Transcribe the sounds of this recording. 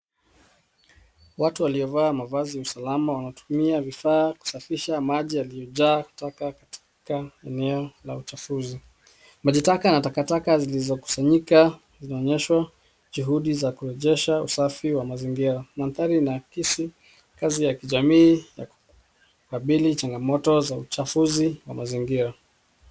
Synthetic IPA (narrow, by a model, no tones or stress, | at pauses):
watuwaliɔvaːmavaziausalamawanatu̥miavifaːku̥safiʃamaʄialiɔʄaːtakakatʰi̥kaɛnɛɔlaut͡ʃafuzi | maʄitakanatakatakazilizɔku̥saɲika | zinaɔɲɛʃwa | ʄuɦuɗizakuɾɛʄɛʃausafiwamaziŋɡiɾanamθaɾinakisi | kazijakiʄamiːjaku̥ | kaɓilit͡ʃaŋɡamɔtɔzaut͡ʃafuziwa̰maziŋɡiɾa